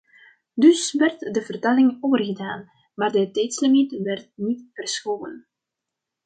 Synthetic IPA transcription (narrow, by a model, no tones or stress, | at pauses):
dɵsʋɛrtdəvərtalɪŋoːwərɣədaːn | maːrdətɛjtsləmɛtʋɛrt̚nitfərsxoːwə̰n